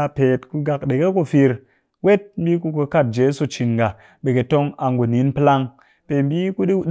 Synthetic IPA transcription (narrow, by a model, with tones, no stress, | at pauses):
a˧pe˨tku˧ɡa˨k̚ɗe˨ke˦ku˧fi˧ɾ | we˦t̚m̩˦bi˦ku˧ko˧ka˦˨t̚d͡ʒe˨˦su˨t͡ʃi˨nɡa˨ | ɓe˨ke˨to˧ŋa˨ŋɡu˨ni˨˦npɨ˦la˧ŋ | pe˨m̩˦bi˦ku˦ɗi˦ɗ